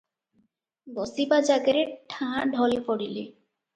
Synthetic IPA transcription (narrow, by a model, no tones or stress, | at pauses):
bɔsibad͡ʑaɡeɾeʈʰãɖʱɔlepɔɽile